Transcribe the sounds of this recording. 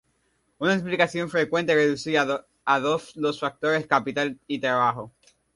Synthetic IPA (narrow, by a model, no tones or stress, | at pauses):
unaesplikaθjo̞ɱfɾe̞kwe̞nt̪ere̞ðusiɾa | aðo̞slosfak̚t̪o̞ɾe̞skapit̪alit̪ɾaβ̞axo̞